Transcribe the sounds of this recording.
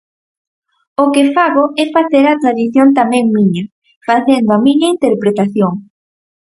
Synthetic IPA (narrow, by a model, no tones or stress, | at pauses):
okefaɣoɛfaθeɾat̪ɾaðiθjont̪amɛ̃ŋmĩɲɐ | faθend̪oamĩɲɐint̪eɾpɾet̪aθjoŋ